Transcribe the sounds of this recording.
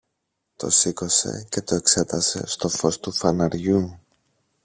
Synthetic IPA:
t̪o̞̰siko̞se̞̰ce̞t̪o̞e̞kse̞t̪ɐse̞̰st̪o̞fo̞st̪ufɐnɐɾʝu

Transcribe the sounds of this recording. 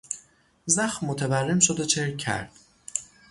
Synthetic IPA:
zæxmːot̪ʰeværːemʃod̪ot͡ʃʰeɾcʰːæ̰ɾd̪̥

